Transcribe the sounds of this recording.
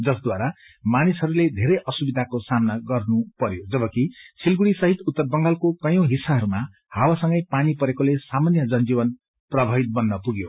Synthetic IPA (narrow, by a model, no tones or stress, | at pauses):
d͡zʌsd̪waɾa | manisɦʌɾuled̪ʱeɾʌjʔʌsubid̪ʱakosamnaɡʌrnupʌɾjod͡zʌbʌkisʰilɡuɽisʌɦit̪ut̪ːʌrbʌŋɡalkokʌjõw̃ɦisːaɦʌɾuma | hawasʌ̃ŋɡʌjpanipʌɾekolesamanjʌd͡zʌnd͡ziβʌn | prʌbʱʌɦit̪̚bʌnːʌpuɡjo